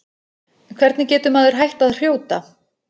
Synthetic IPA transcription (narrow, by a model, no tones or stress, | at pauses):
kʰvɛɾt̪nɪcɛːt̪ʏmaðʏɾ̥ɦajht̪aðr̥joːwt̪a